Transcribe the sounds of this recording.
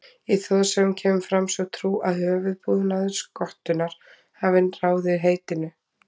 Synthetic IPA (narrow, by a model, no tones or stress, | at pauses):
iθɔðsɛmcʰɛːmʏfɾamsɛwt̪ʰɾuːʔaðhœːvʏðpuːðnaðʏ̥skɔht̪ʏnaɾ̥ | havɪnraːwðɪɦeːjt̪ɪnʏ